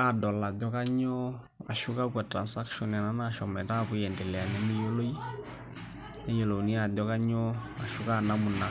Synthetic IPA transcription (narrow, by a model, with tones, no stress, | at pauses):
a˨dɔ˨la˨dɔ˦ka˦ɲɔ˦ | wa̰˨ʃu˦ka˦kwa˨tɾa˨nsa˦kʃɔ˨na˨na˦na˦˨ʃɔ˨mɛ˨ta˦˨βu˨˦jɛ˨ndɛ˨lɛ˨a˨nɛ˦mi˦jo˦lo˦i˦ | ne˦jo˨lo˨u˨ni˦a˨dɔ˦ka˦ɲɔ˦a˨ʃu˦ka˦˨na˦mu˨na˨